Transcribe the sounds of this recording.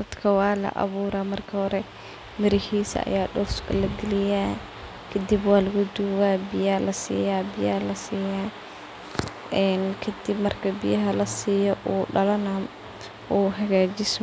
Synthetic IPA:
d̪ɐd̪̥kʰɐwɑːlɐ̰ʔɐ̰βuːɾaːmɐrkʰɐhɔɾɛ | mɪɾɪhiːsɐ̰ɐ̰jaːɖɔrskʰɐlɐɡɪlɪjaː | kʰɐd̪ibwɑːlɐɣʊd̪uwaːbɪjalɐsḭːjaːbɪjaːlɐsiːjaː | ʔɛːnkʰɐd̪ɪbmɐrkʰɐbɪjɐɦɐlɐsiːjɔʔuːɖɐlɐnɐ | ʔuːɦɐɣaːd͡ʒɪs

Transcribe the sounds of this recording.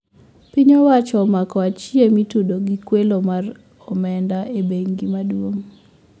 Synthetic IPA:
piɲɔwat͡ʃɔmakɔat͡ʃiemitudoɡikwelomar | ɔmɛndaʔebeŋɡimadwoŋ

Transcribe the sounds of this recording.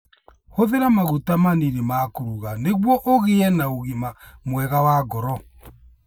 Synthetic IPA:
hoðeɾamaɣutamaniɾemaːkoɾuɣaneɣwɔʔoɣeɛnaoɣimamwɛɣawaɡɔɾɔ

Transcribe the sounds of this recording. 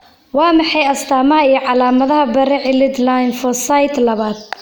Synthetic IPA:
wɑːmɑħɑjɐst̪ʰaːmɐɦɐijɞʕɑlaːmɐðɐɦɐbɐɾɛʕɪlɪd̪lajnfɔsɐjd̪lɐβaːd̪̚

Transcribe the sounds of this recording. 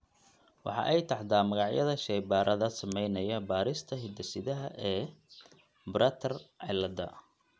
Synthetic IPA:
wɑ̰ħɑ̰ːʔɛjt̪ʰɑħd̪aːmɐɣɑʕjɐðɐʃɛjbaːɾʔɐðɐsɐmɛjnɐjɐbaːɾɪst̪ʰɐɦɪd̪ɐsɪðɐɦɐʔɛː | bɾɐt̪ʰɐrʕɪlːɐd̪ɐ̰

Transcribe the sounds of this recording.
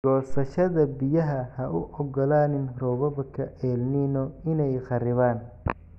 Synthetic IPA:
ɡ̥ɔːsɐʃɐðɐbɪjɐɦɐhɐʔʊʔɔɡɔlaːnɪnrɔːβɐβɐkʰɐʔɛːlnɪnɔɪnɛjqɑrɪβaːn

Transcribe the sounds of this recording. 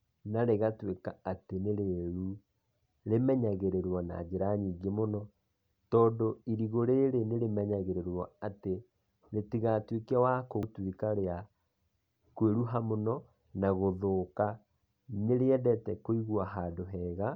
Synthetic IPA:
naɾeɣatwekaateneɾeɾu | ɾemɛɲaɣeɾeɾwɔna̰d͡ʒeɾaɲiːɡemonɔ | tɔːndoiɾiɣoɾeɾeneɾemɛɲaɣeɾeɾwɔate | ɾetiɣatwekiawakotwekaɾea | kweɾuɦamonɔ | naɣoðoːka | neɾeɛdɛtɛkoiɣwaɦaːdoɦɛːɣa

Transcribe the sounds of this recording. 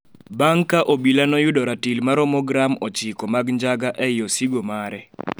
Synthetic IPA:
baŋkaʔobilanɔjʊdɔɾatilmaɾɔmɔɡɾamɔt͡ʃɪkɔmaɡɲd͡ʒaɡaʔɛjɔsiɡomaɾɛ

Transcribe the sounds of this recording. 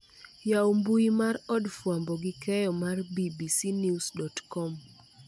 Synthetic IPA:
jaombuimarɔdfwambɔɡɪkɛjɔmarbibisinjusdɔtkɔm

